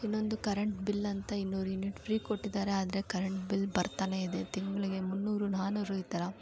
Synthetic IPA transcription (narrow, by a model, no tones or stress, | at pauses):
inːo̞nd̪ukɐɾeɳʈbilːɐnt̪ɐinːuːɾuinːiʈfʰɾiːko̞ʈːid̪aːɾeaːd̪ɐɾekɐɾeɳʈbilːbɐɾt̪aːne̞id̪e̞t̪iŋɡɐɭiɡe̞munːuːɾunaːnuːɾuit̪ːɐɾɐ